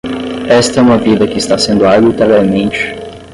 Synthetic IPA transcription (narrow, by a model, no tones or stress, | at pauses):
ɛst̪ɐɛũmɐvid̪ɐkɪɪst̪asẽnd̪ʊaɡit̪ɛɾaɾmẽnt͡ʃɪ̥